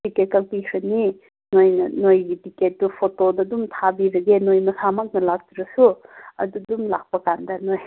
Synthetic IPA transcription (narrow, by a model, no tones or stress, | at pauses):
diket̚kalpikʰɾɯni | nojnɐnojɡitiket̚dupʰotodɐdumtʰabiɾɐɡenojmɐsamak̚nɐlak̚dɾɐsuɐ̰dudumlak̚pɐkandɐnoj